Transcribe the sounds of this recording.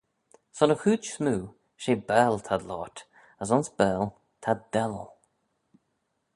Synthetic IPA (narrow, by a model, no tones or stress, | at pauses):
sɔnəxuːsmuː | ʃeːbɛːlt̪ʰad̪lɔ̰ːt̪ | as̬ʊnsbɛːl | t̪ʰad̪ɛlə̰l